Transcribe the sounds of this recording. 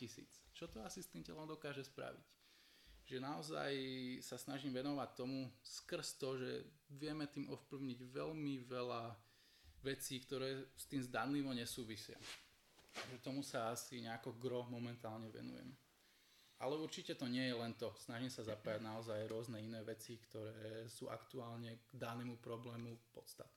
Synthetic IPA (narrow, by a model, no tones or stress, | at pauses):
cisḭːt͡st͡ʃɔt̪ɔasist̪iːmcɛ̰lɔmd̪ɔkaːʒɛspɾa̰ʋic | ʒɛnaɔza̰jsasnaʒiːmʋɛnɔʋact̪ːɔmuskr̩st̪ɔʒɛ | ʋɪɛmɛt̪iːmʔɔfpliʊɲiɟʋɛlmiʋɛla | ʋɛt͡siːkt̪ɔɾɛːst̪iːmzd̪anːiːmɔɲɛsuːʋisɪa̰ | aʒɛt̪ɔmusaasiɲɛakɔɡɾɔmɔmɛnt̪aːlɲɛʋɛ̰nṵjɛ̰m | ʔa̰lɛuɾt͡ʃicɛt̪ɔɲɪɛjɛlɛnt̪ɔsnaʒimsazapajaɟnaɔzajɾʊɔznɛinɛːʋɛt͡sikt̪ɔɾɛːsṵːʔa̰kt̪uaːlɲɛɡ̥d̪anɛːmupɾɔblɛːmupɔt̪st̪ḁt̪̚nː